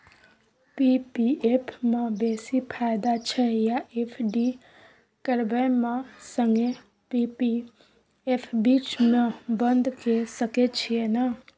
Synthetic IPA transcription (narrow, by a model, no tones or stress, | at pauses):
pipiepʰmãbeːsipʰaːɪd̪at͡ʃʰɛjaʔeːpʰɖi | kəɾbəjmãsə̃ŋɡe | pipi | epʰbiːt͡ʃmẽbə̃nd̪ʱkesəket͡ʃʰiena